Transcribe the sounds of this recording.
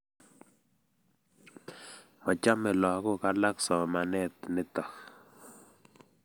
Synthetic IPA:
mɔ˨t͡ʃa˦mɛ˨lɔ˨ko˦˨ka˦la˦ksɔ˨ma˨nɛ˦˨t̪nɪ˦t̪ɔ˨k

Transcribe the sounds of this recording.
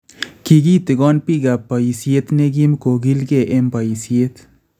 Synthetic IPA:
ki˧ɡi˦t̪e˨ɡo˦npi˦ɡa˨pa˨ji˨sje˦t̪ne˦ɡi˦mko˨ɡi˦lɡe˦˨ʔe˦mpa˨ji˨sje˦t̪

